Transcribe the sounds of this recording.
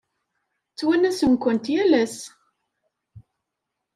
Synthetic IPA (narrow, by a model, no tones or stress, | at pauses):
t͡sːwænæsənkʷənt̪jælæs